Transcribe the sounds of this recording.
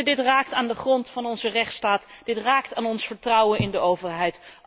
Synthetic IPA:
dɪtraːk̚taːndəχrɔntfɑnɔnzərɛχtstaːtd̥ɪtraːktaːnɔnsfəɹtrʌwənɪndəowvəɹɦɛjt

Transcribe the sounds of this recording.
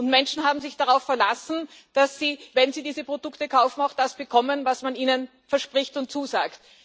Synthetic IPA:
ʊntmɛnʃn̩ɦaːbm̩zɪçd̥aʁaʊfːɛɐlasn̩ | d̥asːiːvɛnziːdiːzəpʁ̥odʊktəkʰaʊfn̩aʊxd̥asb̥əkʰɔmənvasmaniːnən | fɛɐʃpʁɪçtʊnt̚t͡suːza̰ːkt

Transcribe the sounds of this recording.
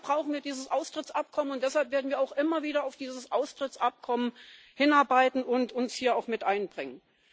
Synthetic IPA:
b̥ʁaʊxn̩viːɐdiːzəsʔaʊstʁ̥ɪt͡sʔap̚kʰɔmənʊnt̚d̥ɛshalpv̥eːɐdn̩viɐaʊxʔɪmɐviːɾɐaʊfd̥iːzəsʔaʊstʁ̥ɪt͡sʔap̚kʰɔmən | hɪnaɐbaɪtn̩ʊntʰʊnshiːɐaʊxmɪtʔaɪnbʁɪŋən

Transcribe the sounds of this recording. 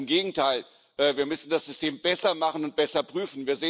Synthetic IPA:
mɡeːɡŋ̩tʰaɪl | ʔɛːviːɐmʏsn̩dasz̥ʏstʰeːmbɛsɐmaχən̩ʊnt̚b̥ɛsɐpʁ̥yːfn̩viːɐzeː

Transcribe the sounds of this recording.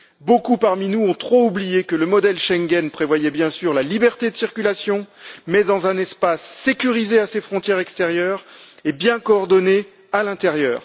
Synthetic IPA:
bokupaʁminuɔ̃t̪χoublijekələmɔd̪ɛlʃɛ̃ŋɡʲɛnpχevwajɛbjɛ̃syʁlalibɛʁt̪ed̪əsiʁkʲylasjɔ̃mɛd̪ɑ̃zɛ̃nɛspasːekʲyʁizeasefχɔ̃t̪jɛʁɛkst̪ɛʁjœːʁebjɛ̃kɔːʁd̪ɔne | alɛ̃t̪ɛʁjœːʁ

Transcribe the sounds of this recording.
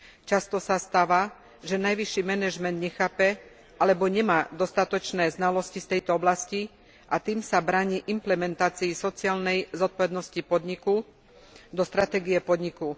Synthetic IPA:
t͡ʃast̪ɔsast̪aːʋa | ʒɛnajʋiʃːimɛnɛʒmɛnd̪ɲɛxaːpɛ | ʔalɛbɔɲɛmaːd̪ɔst̪at̪ɔt͡ʃnɛːznalɔscift̪ɛjt̪ɔɔblasci | ʔat̪iːmsabɾaːɲiːʔimplɛmɛnt̪aːt͡siːsɔt͡siaːlnɛjzɔt̪̚pɔʋɛd̪nɔscipɔd̪ɲiku | d̪ɔst̪ɾat̪ɛːɡijɛpɔd̪ɲiku

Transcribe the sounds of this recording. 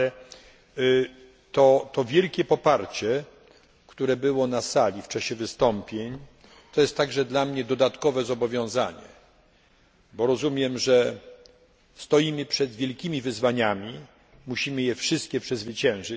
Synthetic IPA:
t̪ɔt̪ɔvʲjɛlkʲɛpɔpaɾt͡ɕɛ | kt̪uɾɛbɘwɔnasalʲift͡ʂaɕɛvɘst̪ɔmpʲjeɲ | t̪ɔjɛst̪ːaɡʐɛd̪lamɲɛd̪ɔd̪at̪kɔvɛzɔbɔvʲjɔ̃w̃zaɲɛ̰ | bɔɾɔzumʲjɛmʐɛ | st̪ɔjimɘpʂɛd̪vʲjɛlkʲimʲivɘzvaɲamʲi | muɕimɘjɛfʂɘst̪̚kʲɛpʂɛzvɘt͡ɕɛ̃w̃ʐɘ

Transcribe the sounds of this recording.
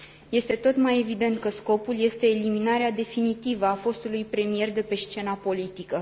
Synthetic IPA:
je̞st̪e̞t̪o̞t̪maje̞vid̪e̞nt̪̚kəsko̞pulje̞st̪e̞ːliminaɾead̪e̞finit̪ivəafo̞st̪ulujpɾe̞mije̞rd̪e̞pe̞ʃt͡ʃe̞napo̞lit̪ikə

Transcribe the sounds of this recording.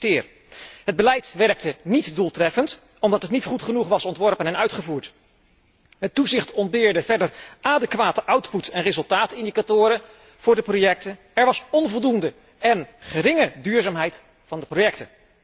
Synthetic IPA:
tɪːr | ɦəd̚bəlɛjtʋɛrk̚tənitdulˠtrɛfənt | ɔmdɑtətnitχutχənuχʋɑsɔntʋɔɹpənɛnœɥtχəvuːɹt | ɦətːuzɪχtɔnbɪːɹdəvɛɹdərʔaːdəkʋaːtəʔʌwtputɛnrɪzɵlˠtaːtɪndikatʊːɾə | v̥ʊːɹdəprojɛk̚tə | ɛɹʋɑsɔnvɔlˠdundə | ɛnχəɾɪŋədyːɹzaːmɦɛjt | fɑndəprojɛk̚tə

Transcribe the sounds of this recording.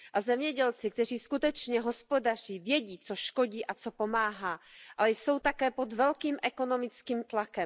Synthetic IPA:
ʔazɛmɲɛɟɛlt͡sɪk̚t̪ɛr̝iːskut̪ɛt͡ʃɲɛɦo̞spo̞dar̝̥iːvjɛɟiːt͡soʃko̞ɟiːʔat͡so̞po̞maːɦaːʔalɛjso̞wt̪akɛːpod̪vɛlkiːmʔɛko̞nomɪt͡skiːmt̪lakɛm

